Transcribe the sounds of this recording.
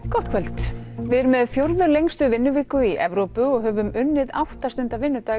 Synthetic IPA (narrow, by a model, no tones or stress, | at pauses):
kɔht̪kʰvɛlt̪ | vɪðɛɾmɛðfjowɾðʏlejŋst̪ʏvɪnːʏvɪːkʏiʔɛvɾowpʏɔɣɦœːvʏmʏnːɪða̰wht̪ast̪ʏnt̪avɪnːʏt̪aː